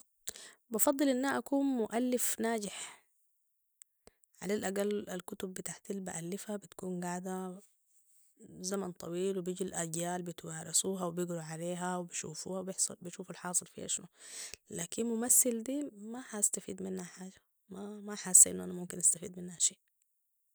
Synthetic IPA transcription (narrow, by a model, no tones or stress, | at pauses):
bɑfɑd̪ˤːɨlʔɪnːaaʔakuːnmʊʔalːɪfnaːɟɪħ | ʕa̰lalʔaɡalalkʊt̪ʊbːɪt̪aʕt̪ilbaʔalːɪfabɪt̪kuːnɡaʕd̪a | zamant̪ˤʰɑwiːlwibiːɟilʔaɟjaːlbɪt̪wɑːɾasuːɦawbɪɡɾuʕaleːɦawbiʃṵːfṵːhawbɪħsˤɑ̰lbiʃuːfalħɑːsˤɨlfḭha̰ʃnulaːkinmʊmasːɪld̪iːmahast̪afḭːd̪mɪnhaħaːd͡ʒa | mamaħaːsːaʔḭnːʔanamʊmkinʔast̪afḭːd̪mɪnːhaʃeːʔ